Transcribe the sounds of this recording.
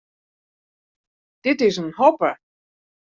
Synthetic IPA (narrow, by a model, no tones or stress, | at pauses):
d̥ɪtɪsənhɔpə